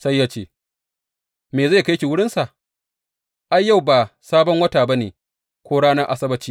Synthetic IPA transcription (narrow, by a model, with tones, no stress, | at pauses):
sa˦jːaː˦t͡ʃeː˦˨ | meː˨za˦˨ka˦jkʲi˨wʊ˦ɽɪ˦nsa˨ʔ | ʔa˦jːa˦˨wbaː˨saː˦bɔ˦ŋwɐ˦taː˨ba˦neː˨ | kʷoː˦ɽaː˦nɐ˦rʔa˦sɐ˦bɐ˦t͡ʃiː˦